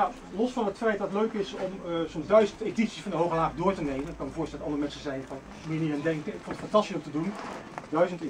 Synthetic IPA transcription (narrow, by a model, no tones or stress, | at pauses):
a | lɔsfɑnətfɛjt̚dɑtløɥkɪsɔmsɔmzdœɥzənteditsi̥sfɑndəɦowχəlaːχdʊːɹtənejmənɪkɑnməvʊːɹstɛldtɑndərəmɛnsəzɛjnfɑn | mɪːniraːndɛŋkənɪkfõnˠətfɑntɑstisɔmtədundœɥzənt